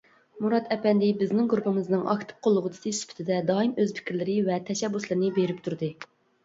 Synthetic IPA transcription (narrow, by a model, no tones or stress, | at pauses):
muɾɑt̪ʰɛpɛnd̪ɪbɪznɪŋɡɾupɪmɪznɨŋɑ̰kt̪ʰɨ̥p̚qʰolˠːʊʁət̪ʰɪ̥sisy̥pʰɪ̥t̪ʰɪd̪ɛd̪ɑːimøzpʰɪ̥kʲiɾlɪɾɪvɛt̪ʰɛʃɛbːuslˠɨɾɨnɨbeɾɪpt̪ʰuɾd̪ɨ